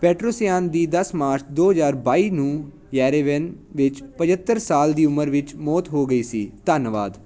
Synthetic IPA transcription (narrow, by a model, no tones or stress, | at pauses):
pɛːʈɾoːsijaːnd̪iːd̪əsmaːɾt͡ʃʰd̪oːɦəzaːɾbaːiːnũː | jɛːɾeːʋɛnʋɪt͡ʃpəd͡ʒət̪ːəɾsaːld̪iːʊməɾʋɪt͡ʃmɔːt̪ɦoːɡəiːsiːt̪ənʋa̰ːd̪